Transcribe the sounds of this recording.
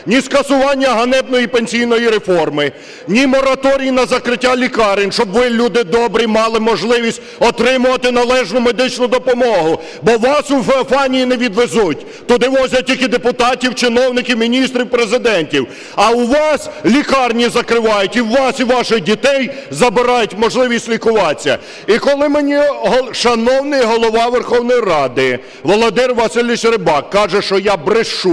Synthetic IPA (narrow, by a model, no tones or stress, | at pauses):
nʲiskɐsʊʋɑnʲːɐɦɐnɛb̪̚nɔjipenʲsʲijnɔjiɾe̞fɔrmɪ | nʲimɔɾɐt̪ɔɾʲijinɐzɐkɾɪtʲːalʲikɑɾɪnʲʃt͡ʃɔbʋɪlʲud̪ɪd̪ɔbɾʲimɑlˠɪmɔʒlˠɪʋʲisʲtʲɔt̪ɾɪmʊʋɐt̪ɪnɐlˠɛʒnʊme̞d̪ɪt͡ʃnʊd̪ɔpɔmɔɦʊ | bɔʋɑsufeɔfɑnʲijineʋʲid̪ʋezutʲ | t̪ʊd̪ɪʋɔzʲɐtʲilʲkɪd̪epʊt̪ɑtʲiwt͡ʃɪn̪ɔwnɪkʲɪwmʲinʲist̪ɾʲiwpɾezɪd̪ɛnʲtʲiw | ɐwʋɑslʲikɑrnʲizɐkɾɪʋɑjʊtʲiwːɑsiʋɑʃɪdʲit̪ɛjzɐbɪɾɑjʊtʲmɔʒlˠɪʋʲisʲtʲlʲikʊʋɑt͡sʲːɐ̰ | ikɔlˠɪmenʲiɦɔʃɐnɔwnɪjɦɔlˠɔʋɑʋerxɔwnɔjirɑd̪ɪ | ʋɔlˠɔd̪ɪrʋɐsɪlʲʋʲiʃɾɪbɑkːɑʒɛʃt͡ʃɔjabɾɪʃu